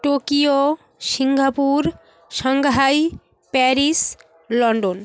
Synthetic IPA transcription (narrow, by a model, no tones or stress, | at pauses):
ʈokio | ʃiŋɡʱapuɾ | ʃɔŋɡɦaj | pɛɾis | lɔɳɖon